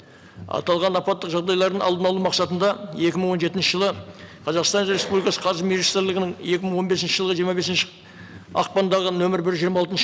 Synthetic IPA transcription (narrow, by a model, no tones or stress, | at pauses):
ɑ̰t̪ɑlˠʁɑnɑpɑt̪ːəqʒɑʁd̪ɑjlˠɑɾd̪əɴɑ̰lˠd̪ənɑlˠumɑqsɑt̪ənd̪ɑje̞kʲɪməɴwo̞nʒe̞t̪ɪnʃəʒəlˠəqʰɑzɑqst̪ɑnɾe̞spublijkɑsə̥qʰɑɾʒəmeʒist̪ɾlʲɪɡɪnɪŋje̞kʲɪməɴwo̞nbe̞s̬ɪnʃəʒəlˠʁəʒijəɾmɑbe̞sɪnʃɪ̥ | ɑ̰q̚pɑnd̪ɑʁənɵmɪɾbɪɾʒijəɾmɑːlˠt̪ən